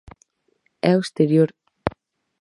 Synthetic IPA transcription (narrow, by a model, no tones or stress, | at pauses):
ɛwst̪ɛɾjɔɾ